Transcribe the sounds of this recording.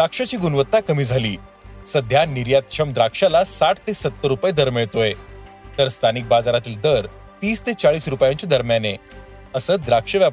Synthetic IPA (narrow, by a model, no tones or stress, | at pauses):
d̪ɾakʂat͡ɕiːɡunʋət̪ːakəmiːd͡zʱaliː | səd̪ʱjaniɾjat̪̚ɕʰəmd̪ɾakʂalasaʈʰt̪esət̪ːəɾːupəjed̪əɾmeɭt̪oet̪əɾst̪ʰanik̚bad͡zaɾat̪iːld̪əɾ | t̪iːst̪et͡saɭiːsɾupjãɲt͡ɕad̪əɾmjane | əsəːd̪ɾakʂəʋja